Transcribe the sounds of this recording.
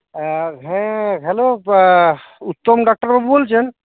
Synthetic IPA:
ɦɛ̃ɦɛlo | ut̪ːɔmɖak̚ʈəɾbabubolt͡ʃʰen

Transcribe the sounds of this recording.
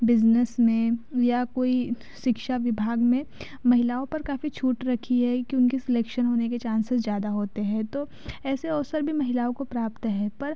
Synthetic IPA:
bɪznəsmẽjakoːi | ʃɪkʃaʋɪbʱaːɡmẽ | mɐɦɪlaːõpɐɾkaːfit͡ʃʰuːʈɾɐkʰiɦɛkijoʊ̃nkisɪleːkʃənɦoːneket͡ʃãːnsɪsd͡ʒjaːd̪aɦoːt̪eɦɛ̃t̪o | ɛːseɔːsəɾbʱimɐɦɪlaːõkopɾaːpt̪ɦɛ̃ːpɐɾ

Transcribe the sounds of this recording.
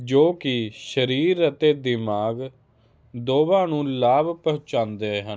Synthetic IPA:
d͡ʒoːkɪʃəɾiːɾət̪eːd̪ɪmaːɡ | d̪oːbãːnũːlaːbpəɦʊ̃t͡ʃãːnd̪eːɦən

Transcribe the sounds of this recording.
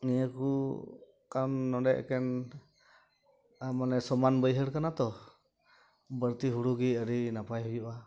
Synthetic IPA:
nijəku | kanːɔɖɛʔkɛn | amanɛsɔmanbəjɦəɽkanat̪ɔ | bəɾt̪iɦuɽuɡiəɾinapajɦujuʔa

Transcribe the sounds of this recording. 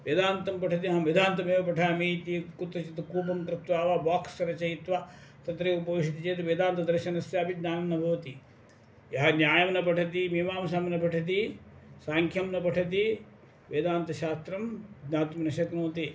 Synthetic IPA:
ʋed̪aːnt̪ɐmpɐʈʰɐt̪̬iɦɐ̃mʋid̪ʱaːnt̪ɐmeːʋɐpɐʈʰaːmiːt̪ikut̪ɾɐt͡ʃit̪ɐkuːp̬ɐmkɾɪt̪ʋaːʋaːbaːkst͡ʃɐɾɐt͡ʃɐjit̪ʋaːt̪ɐt̪ɾekupɐʋiʃit̪it͡ʃeːt̪ɐʋeːd̪aːnt̪ɐd̪ɐɾʃɐnɐsjaɐbid̪naːnɐnːɐbʱɐʋɐt̪i | jɐɦɐnjaːjɐmnɐpɐʈʰɐt̪̬imimaːmɐsamnɐpɐʈʰɐt̪̬isaːŋkʰjɐmnɐpɐʈʰɐt̪i | ʋeːd̪aːnt̪ɐʃaːst̪ɾɐmd̪naːnt̪ɐmnɐʃɐknoːt̪i

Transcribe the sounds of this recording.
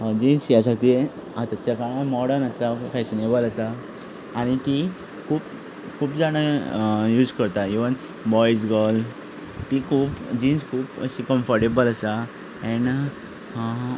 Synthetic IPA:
d͡ʑinsjasat̪i | at̪at͡ɕakaɽãmɔɽənəsafɛɕinebələsaː | ɽ̃it̪i | kʰuːp | kʰuːpd͡zaɽ̃ajuːd͡zkəɾt̪aiʋən | bɔjd͡zɡəl | t̪ikʰuːpd͡ʑinskʰuːpə̰ɕikəmfəɾʈebəlasa | ɛ̃ɳ

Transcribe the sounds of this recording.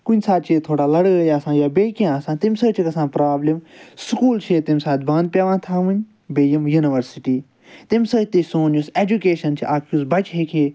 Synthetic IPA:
kʊnʲsaːt̪̚t͡ʃʰit̪ʰoːɽaːlɐɽɡɐjaːsãːjaːbeːkijãːsãːt̪imʲsɐt͡ʃʰikɐsãːpɾaːblimskuːlt͡ʃʰet̪imsaːt̪bãnd̪̚pʲjaːʋãːt̪ʰãːʋɨn | beːjimjuːniʋɐɾsiʈiː | t̪imsət̪isoːnuseːd͡ʒukeːʃɐnt͡ʃʰiʔaːkʰusbɐt͡ʃɦeːkʰeː

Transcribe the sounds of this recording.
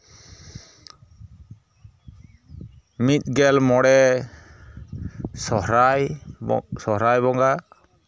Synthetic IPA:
mit̪̚ˀɡɛlmɔɽɛ | sɔhɾaj | sɔɦɾajbɔŋɡa

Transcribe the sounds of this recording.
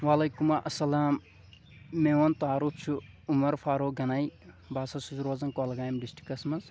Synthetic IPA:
wɐlɐjkumɐʔɐsɐlaːmː | eːwɐnt̪aːɾup̚ʰt͡ʃʰu | umɐɾfʰaːɾoːɡɐnaj | baːsɐsuzɾoːzɐnkolɐɡaːjmɖisʈi̥kɐsmɐz

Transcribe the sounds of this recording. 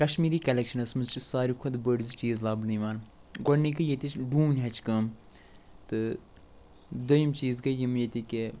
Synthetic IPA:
kɐʃmiːɾiːkɐlʲɛkʃɐnɐsmɨzt͡ʃisaːɾikʰɐd̪bəɖzit͡ʃiːzlaːblniːʋaːn | ɡɔɽniːkɨjet̪it͡ʃɖuːnʲɦɐt͡ʃkɐm | t̪ɨ | d̪ojimt͡ʃiːzɡɐjimjet̪ʲike

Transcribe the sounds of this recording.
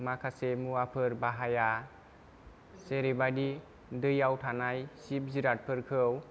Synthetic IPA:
makʰasemuapʰɯɾbaɦaja | seɾebadi | dɯjawtʰanajsip̚ziɾat̚pʰɯɾkʰɯw

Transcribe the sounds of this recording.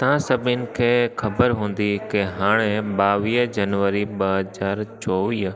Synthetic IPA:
t̪ɐãsɐbʱɪnɪ̆kʰeːxɐbəɾɦũːn̆d̪ikeɦaːɽ̃eɓaːʋiːɦd͡ʑɐnʋəɾiɓɐɦɐzaːɾt͡ɕɔːʋiːɦ

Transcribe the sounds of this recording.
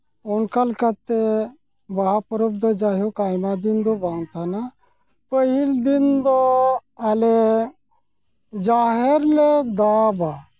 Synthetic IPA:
ɔnkalkat̪e | baɦapɾub̚d̪ɔd͡ʒaɦjɔkajmad̪ind̪ɔbaŋt̪ʰana | pəɦild̪ind̪ɔale | d͡ʒaɦeɾled̪aba

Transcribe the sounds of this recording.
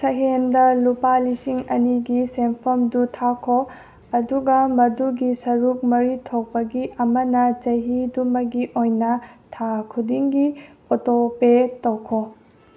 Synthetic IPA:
sɐɦendɐlupalisiŋɐ̰niɡisempʰomdutʰakʰo | ɐduɡɐmɐduɡisɐɾuk̚mɐɾitʰok̚pɐɡiʔɐmɐnɐd͡ʒɐɦidumɐɡiʔojnɐtʰakʰudiŋɡiotopetɐwkʰo

